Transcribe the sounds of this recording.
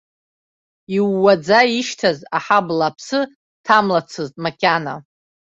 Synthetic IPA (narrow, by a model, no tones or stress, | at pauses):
iwːad͡zaiʃtʰazaħablapʰsɨ | tʰamlat͡sʰɨztʼmakʲʼana̰